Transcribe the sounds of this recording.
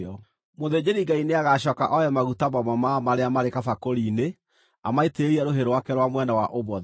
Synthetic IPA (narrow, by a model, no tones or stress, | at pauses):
ɔ | moðed͡ʑeɾiɡaineaɣaɕɔːka̰ʔɔjɛmaɣutamɔmamamaɾeamaɾekafakoɾiːne | amaeteeɾiɛɾoɦeɾowakɛɾwamwɛnawaʔoβɔð